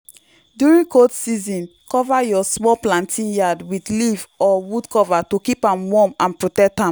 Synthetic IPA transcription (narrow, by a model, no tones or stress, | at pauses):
djuɹĩŋkʰotsizɔ̃nkɔvajɔsmɔplãntʰĩnjadwidlivɔwudkʰɔvatokipãmwɔmãnpɹotɛk̚tãm